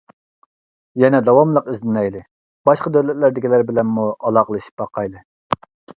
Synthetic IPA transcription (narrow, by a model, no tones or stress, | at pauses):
jɛnɛd̪ɑwɑmlˠəqyzd̪ɪnɛjlɪ | b̥ɑʃqɑd̪øwlɛt̪læɾd̪ɪkʲilæɾbɪlɛnmuɑlˠɑqəlˠɨʃi̥p̚bɑqʰɑjlˠɨ